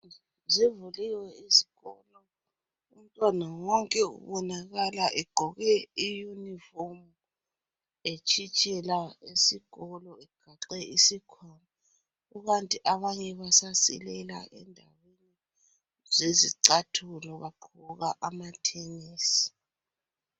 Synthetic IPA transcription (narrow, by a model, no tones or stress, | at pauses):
zivuliwɛizi̥ɣɔlɔ | um̩tʼwanawɔŋkʼɛṵβɔnaɣalaʔɛɡ͡ǃ̥ʱɔɣɛijunifom | et͡ʃʼʰit͡ʃʼɛlaesiɣɔlɔɛɡ̥ʱaǃɛʔisikʰwama | uɣantʼiʔaβaɲɛβasasḭlɛla̰ʔɛ̰ndʱa̰weni | zeziǀatʰulɔβaǃʰuɣaʔamatʰeŋiːsi̥